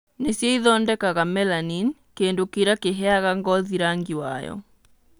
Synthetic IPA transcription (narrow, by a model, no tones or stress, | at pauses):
nesjɛiðɔndɛkaɣamɛlanin | keːndokiɾakeɦɛaɣaŋɡɔðiɾaŋɡiwa̰jɔ̰